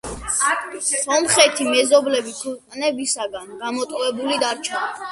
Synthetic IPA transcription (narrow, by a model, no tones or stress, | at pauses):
sɔmχɛt̪ʰimɛzɔblɛbit̪ʰukʼnɛbisaɡanɡamɔt̪ʼɔvɛbulid̪aɾt͡ʃʰɛ